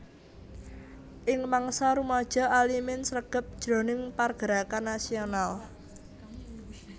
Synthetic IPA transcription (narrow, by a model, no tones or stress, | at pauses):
ʔɪŋmaŋsaɾumad̥ʒ̥a̤alimɪnsɾəɡ̥ə̤p̚d̥ʒ̥ɾɔ̤nɪŋparɡ̥əɾakanːasional